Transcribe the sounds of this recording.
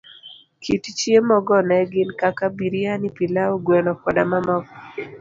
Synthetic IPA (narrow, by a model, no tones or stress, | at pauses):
kʰitt͡ʃjemɔɡɔnɛɡɪnkakabiɾianipilaoɡwɛnɔkɔdamamɔkɔ